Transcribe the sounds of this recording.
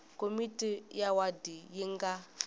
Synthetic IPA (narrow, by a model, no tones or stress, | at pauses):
komitʼijawadijiŋɡa